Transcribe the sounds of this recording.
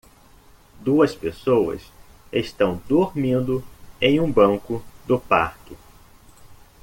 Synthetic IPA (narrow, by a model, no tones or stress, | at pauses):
d̪uɐspesowɐ̰s | eʃt̪ɐ̃w̃d̪oɾmĩnd̪ʊẽj̃ũbɐ̃ŋkʊd̪ʊpa̰ɾkɪ